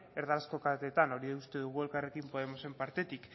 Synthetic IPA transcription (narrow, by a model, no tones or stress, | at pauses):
eɾðalasko̞kat̪et̪ano̞ɾiðeust̪e̞ðuɣue̞lkare̞kimpo̞ð̞e̞mo̞se̞mpaɾt̪e̞t̪ik